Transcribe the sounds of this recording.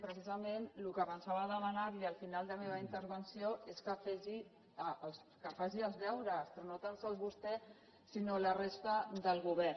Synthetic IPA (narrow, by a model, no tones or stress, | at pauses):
pɾəsizəmenlukəβənsaβəːðəmənaɾliəlˠfinalˠd̪əmeβ̞əint̪əɾβənsioʔeskəfɛʒi | əls | kəfaʒiəlˠzðɛwɾəspɾɔnot̪ansəlˠzβust̪ɛ | sinolərest̪əd̪əlˠɣuβɛɾ